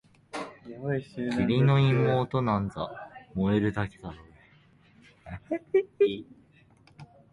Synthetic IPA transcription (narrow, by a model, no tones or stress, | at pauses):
kiɾʲino̞imːoːt̪o̞nãnd͡za̰mo̞eɾɯ̟d̪akʲe̥d̪aɾo